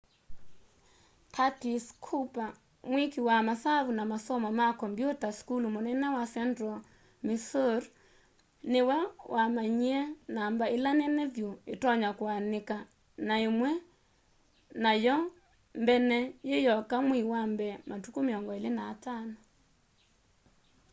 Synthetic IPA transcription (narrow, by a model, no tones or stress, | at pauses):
kʰatiskʰupa | mwikiwamasaβunamasɔmɔmakɔmbjotaskulumonɛnɛwasɛndɾɔ | misoɾ | newɛwʔamaɲiɛnambaelanɛnɛðjoetɔɲakwaneka | naemwɛ | najɔ | mbɛnɛjejɔkamwiwambɛmatukomeɔŋɡɔelenaːtanɔ